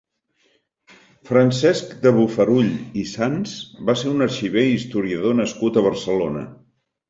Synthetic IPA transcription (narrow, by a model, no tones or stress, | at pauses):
fɾənsɛskd̪əβufəɾuʎisansbaseɾunərʃiβeist̪uɾiəðonəskut̪əβərsəlonə̰